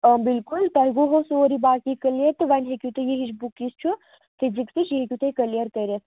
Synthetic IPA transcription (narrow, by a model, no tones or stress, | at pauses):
əbilkult̪ɐɦɡoɦosoːɾibaːkikɐljɐt̪ʋɐnɦekʲut̪ɨjeɦit͡ʃbukːist͡ʃʰu | fʰiziksit͡ʃiɦekʲjut̪ɐkɐlijɐɾkɐɾʲɐt̪